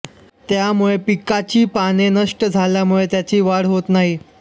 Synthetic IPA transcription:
t̪jamuɭepikat͡ɕiːpanenəʂʈəd͡zʱaljamuɭet̪jat͡ɕiːʋaɽ̤ɦot̪naɦi

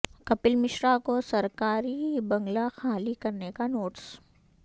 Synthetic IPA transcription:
kɐpɪlmɪʃɾakosɐɾkaːɾibɐ̃ŋɡlaxaːlikɐɾnekanoːʈs

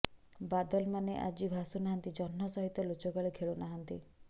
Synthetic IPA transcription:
bad̪ɔlmaneʔa̰d͡ʒibʱasunaɦant̪id͡ʒɔnːɔsɔɦit̪ɔlot͡ʃɔɡaɭekʰeɭonaɦant̪i

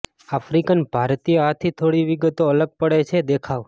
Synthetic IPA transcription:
afɾikənbʱaɾt̪ijəɦat̪ʰit̪ʰoɽiʋiɡət̪oələɡ̚pəɽet͡ʃʰed̪ekʰaʋ

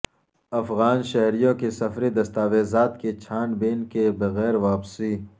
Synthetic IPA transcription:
ɐfɣaːnʃɐɦɾijõkesɐfɾid̪ɐst̪aːʋeːzaːt̪ket͡ʃʰaːnbeːnkebɐɣɛːɾʋaːpsiː

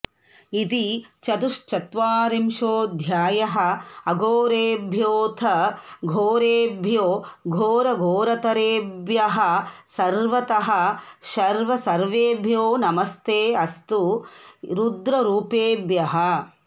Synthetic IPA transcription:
it̪it͡ʃɐt̪uʂt͡ʃɐt̪ʋaːɾimʃoːd̪ʱjaːjɐɦɐ̆ɐɡoːɾeːbʱjoːt̪ʰɐɡʱoːɾeːbʱjoːɡʱoːɾɐɡʱoːɾɐt̪ɐɾeːbjɐɦɐ̆sɐɾʋɐt̪ɐɦɐ̆ʃɐɾʋɐsɐɾʋeːbʱjoːnɐmɐst̪eːɐst̪u | ɾud̪ɾɐɾuːpeːbjɐɦɐ

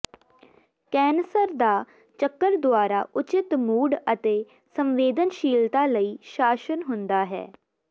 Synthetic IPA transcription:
kɛːnsəɾd̪aː | t͡ʃəkːəɾd̪ʊaːɾaːʔʊt͡ʃɪt̪muːɖət̪eː | səmʋeːd̪ənʃiːlt̪aːləiːʃaːʃənɦʊnd̪aːɦɛ̰ː

